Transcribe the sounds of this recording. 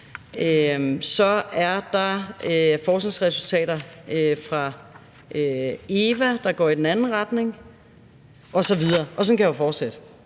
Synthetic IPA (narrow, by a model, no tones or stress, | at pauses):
øsɒ̽æɐd̥ɑ̈øfɒːsneŋsʁɛsult͡sʰɛ̰ːɾɐøfʁɑ̈ | ʔøe̝ːʋæd̥ɑ̈ɡ̥ɒ̰ːid̥en̩ænn̩ʁɑd̥ne̝ŋ | ɒ̽sɒ̽ʋið̞ˠɐːʔɒ̽sɒ̽nkʰæjfɒːd̥sed̥ə